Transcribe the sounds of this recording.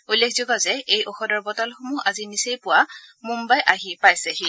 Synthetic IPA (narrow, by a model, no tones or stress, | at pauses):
ujlːekʰzoɡazɛejʔɔxɔdɔɹbɔtɔlxumuɦazinisejpʊwamumbajʔaɦipajsɛxi